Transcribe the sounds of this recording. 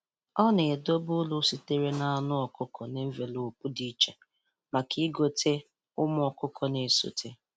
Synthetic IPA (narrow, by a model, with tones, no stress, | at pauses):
ɔ˦ne˨e˨do˦bʊ˦lʊ˦si˦te˦ɾe˦na˨a˨nʊ˦ɔ˨kʊ˦kʰɔ˨ne˦m̩˦ve˨lu˨k͡pu˦di˦t͡ʃe˨ | ma˨ki˦ɡo˦tʰe˦ | ʊ˦mʊ˦ɔ˨kʊ˦kʰɔ˨ne˨so̰˨tʰe˦